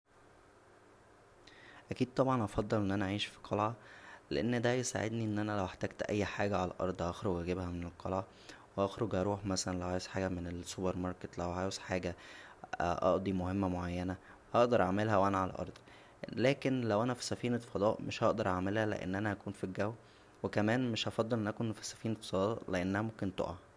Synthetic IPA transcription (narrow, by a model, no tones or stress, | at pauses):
ʔækiːd̪̚t̪ˤɑbʕɑnʔɑfɑd̪ˤːɑlʔenːʔænæʔæʕiːʃfi̥qʰɑlʕɑlḛʔenːd̪æjesa̰ʕḛd̪niʔenːʔænælæweħt̪æɡt̪ʔæjːħaːɡæʕalæʔɑ̰ɾˤd̪ˤhɑxɾoɡʔæɡebhæmenelqʰɑlʕɑ | weʔɑxɾoɡʔɑɾˤuːħmæsælænlæwʕaːjsħaːɡæmenelsubeɾmɑɾˤket̪læwʕaːjsħaːɡæ | ʔɑ̰ʔd̪ˤimohemːæmoʕajːænæ | hɑʔd̪ɑɾˤʔa̰ʕmelɦæwʔænæʕalæ̰ʔɑ̰ɾˤd̪ˤ | læːkenlæwʔænæfi̥sæfiːnefɑd̪ˤɑːʔmeʃhɑʔd̪ɑɾˤʔaʕmelhælḛʔḛnːʔænæʔækuːnfiɡæwː | wekæmæːnmeʃʔɑfɑd̪ˤːelʔenːʔækonfi̥sæ̥fiːnetsɑd̪ˤɑɑʔleʔenːæhæmomkent̪o̰ʔɑ